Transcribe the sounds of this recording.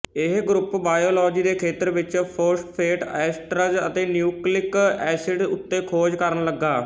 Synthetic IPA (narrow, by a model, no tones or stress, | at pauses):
ɪɦɡɾʊpbaːjoːlɔːd͡ʒiːd̪eːkʰeːt̪əɾʋɪt͡ʃpʰoɾsʈpʰeːʈɛːsʈɾəd͡ʒət̪eːnjuːklɪkɛːsɪɖʊ̰t̪ːeːkʰoːd͡ʒkəɾənləɡːaː